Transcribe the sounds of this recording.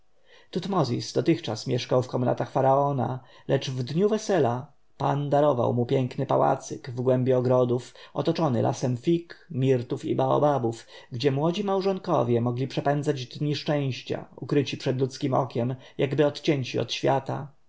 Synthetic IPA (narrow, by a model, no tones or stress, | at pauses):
t̪ut̪mɔzʲḭsd̪ɔt̪ɘxt͡ʂasmʲjɛʂkawfkɔmna̰t̪axfaɾaɔna̰ | lɛt͡ʂvd̪ɲuvɛsɛla | pand̪aɾɔva̰wmupʲjɛŋknɘpawa̰t̪sɘkvɡwɛmbʲjɛɔɡɾɔd̪ufʔɔ̰t̪ɔt͡ʂɔnɘ̰lʔa̰sɛmfʲikmʲiɾt̪ufḭbaɔ̰babufɡd͡ʑɛmwɔd͡ʑimawʐɔŋkɔvʲjɛmɔɡlʲipʂɛpɛnd̪zad͡ʑd̪ɲiʂt͡ʂɛ̃w̃ɕt͡ɕa̰ukɾɘt͡ɕipʂɛd̪lut̪skʲimɔ̰kʲɛm | jaɡbɘɔt̪t͡ɕɛɲt͡ɕiɔ̰t̪ɕfʲjat̪a